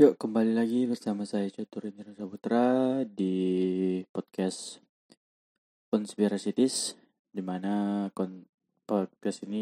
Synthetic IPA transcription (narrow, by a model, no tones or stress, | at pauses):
joʔkəmbalilaɡibərsamasajat͡ʃɔt̪uɾiniɾusaput̪ɾadi | pɔt̪̚kas | kɔnspiɾasit̪ɪs | dimanakɔn | pɔt̪̚kasini